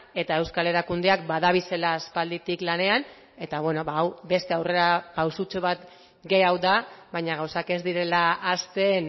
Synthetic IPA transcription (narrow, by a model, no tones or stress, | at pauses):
e̞t̪ae̞wskale̞ɾakund̪eakbaðaβ̞ise̞laːspald̪it̪iklane̞an | e̞t̪aβwe̞no̞βaawbe̞st̪e̞awre̞ɾapawsut͡soβat̪ | ɡe̞jawðaβajɲaɣawsake̞zd̪iɾe̞laːst̪e̞n